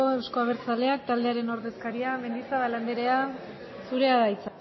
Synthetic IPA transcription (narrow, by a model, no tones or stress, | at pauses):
oskoaβ̞eɾt͡sale̞ak̚t̪ald̪eaɾe̞no̞ɾðe̞skaɾiame̞nd̪isaβaland̪eɾe̞a | suɾe̞aðait͡s